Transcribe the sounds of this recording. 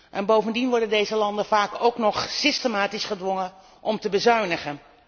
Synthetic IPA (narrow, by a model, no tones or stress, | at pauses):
ʔɛnbowvəndinʋɔɹdəndejzəlɑndənvaːkowknɔχsɪstəmaːtisχədʋɔŋən | ʔɔmtəbəzœɥnəχən